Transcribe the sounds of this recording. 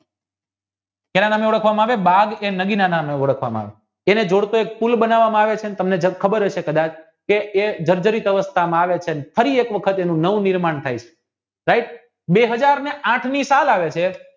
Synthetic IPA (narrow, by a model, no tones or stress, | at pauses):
enanameuɽəkʰʋamãaʋebaɡenəɡinanameuɽəkʰʋa̰mã̰a̰ʋe | ened͡ʒoɽt̪oek̚pulbənaʋːamãaʋet͡ʃʰenet̪əmned͡ʒəkʰəbəɾəʃʰekəd̪at͡ʃʰ | keed͡ʒəɾd͡ʒəɾit̪əʋəst̪ʰamãaʋet͡ʃʰenefəɾiekʋəkʰət̪enũnəʋũniɾmaɳt̪ʰajt͡ʃʰe̥ | ɾaiʈ̚ | beɦəd͡ʒaɾneʔãʈʰnisalaʋet͡ʃʰe